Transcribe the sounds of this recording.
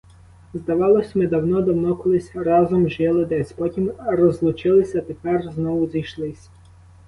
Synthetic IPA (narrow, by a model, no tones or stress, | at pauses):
zd̪ɐʋɑlˠɔsʲɐmɪd̪ɐwnɔd̪ɐwnɔkɔlˠɪsʲɐɾɑzɔmʒɛlˠɪd̪ɛsʲpɔtʲimɾɔzlˠʊt͡ʃɪlˠɪsʲɐt̪epɛrznɔwʊzijʃlˠɪsʲ